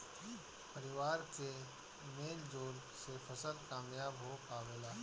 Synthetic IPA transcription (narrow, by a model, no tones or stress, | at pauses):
pəɾɪʋaːɾke | meːld͡ʒoːl | sefʰəsəlkaːmjaːbɦokaːʋeːlaː